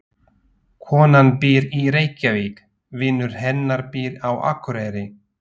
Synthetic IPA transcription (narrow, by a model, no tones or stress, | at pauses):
kʰɔːnanpɪːɾiɾeːjcaviːk | vɪnːʏɾ̥hɛnːaɾpɪːɾawa̰kɾɛːɾɪ